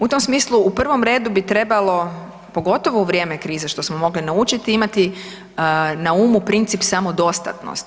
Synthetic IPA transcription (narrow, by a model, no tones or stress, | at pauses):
ut̪o̞msmiːslˠuupr̩ʋo̞mɾe̞ːd̪ubit̪ɾe̞balo̞ | po̞ɡo̞t̪o̞ʋouʋɾʲje̞ːme̞kɾiːzeʃt̪o̞smo̞mo̞ɡlinaut͡ʃit̪iimat̪i | nauːmupɾint̪sipsamo̞d̪o̞st̪a̰t̪no̰st̪